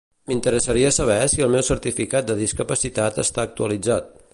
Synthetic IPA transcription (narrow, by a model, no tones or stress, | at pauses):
mint̪əɾəsəɾiəsəβ̞ɛsiəlˠmɛwsəɾt̪ifikat̪̚d̪əðiskəpəsit̪at̪ə̰st̪aːk̚t̪uəlid͡zat̪̚